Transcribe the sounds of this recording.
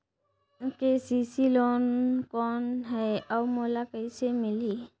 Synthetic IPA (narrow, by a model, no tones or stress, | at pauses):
kesisilɔnkɔnɦɛjawmolakəjsemili